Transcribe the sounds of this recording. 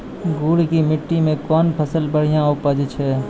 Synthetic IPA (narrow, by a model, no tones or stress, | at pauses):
ɡuːɽkimɪʈːimẽkɔːnpʰəsəlbəɽ̤ijãopad͡ʒɪt͡ʃʰɦɛː